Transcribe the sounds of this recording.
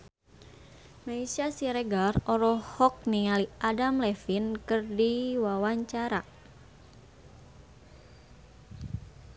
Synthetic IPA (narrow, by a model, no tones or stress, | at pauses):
maisasiɾeɡarɔɾɔhɔk̚niŋaliʔadamlɛfinkɨrdiwawaɲt͡ʃaɾa